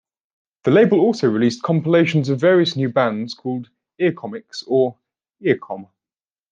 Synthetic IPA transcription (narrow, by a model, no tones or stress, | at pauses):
ðəleɪbəlɔˑlˠsəʊɹɪliˑskʰɒ̃mpəleɪʃə̃nzəvɛːɹiəsnjʉːbãndz̥kʰɔːlˠd | ɪəkʰɒmɪksəɹ | ɪəkʰɒ̃m